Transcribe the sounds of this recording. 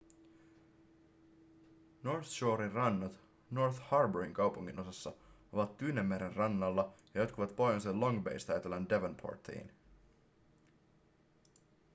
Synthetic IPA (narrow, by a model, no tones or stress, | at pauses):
norθʃoːɾirɑnːɑt̪ | norθhɑrbøɹiŋkɑwpuŋːino̞sɑsːɑo̞ʋɑt̪ːyːnemːeɾenrɑnːɑlːɑjɑjot̪kuʋɑt̪po̞jɑnselo̞ŋbḛjst̪ɑjt̪elændeʋonpʰo̰ɹt̪ʰːḭːn